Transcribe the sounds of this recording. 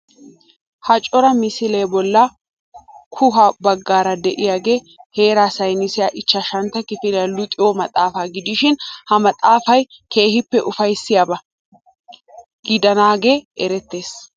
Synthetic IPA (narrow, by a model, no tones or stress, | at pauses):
hɐt͡ʃʼɔɾɐmɪsɪleːbɔlːɐ | kʰʊɦɐbɐɡːaːɾɐd̪ɛʔɪjaːɡe̞ː | he̞ːɾaːsɐjnɪsɪjaʔɪt͡ʃːɐʃɐnt̪ːɐkɪfɪnɪjalʊt̪ʼːɪjɔmɐt̪ʼaːfaːɡɪd̪ɪʃɪnhɐmɐt̪ʼaːfɐj | kʰe̞ːhɪpːɛʔʊfɐjsːɪjabɐ | ɡ̥ɪd̪ɐnaːɡe̞ːʔɛɾɛt̪ːe̞ːs